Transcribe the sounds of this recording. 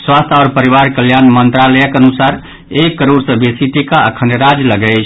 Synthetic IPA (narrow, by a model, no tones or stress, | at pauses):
swast̪ʰɔɾpəɾiʋaɾkəljanmənt̪ɾaləjəkənusaɾ | ekːəɾoɾsə̃besiʈikaəkʰənɾad͡ʒləɡɛt͡ʃʰ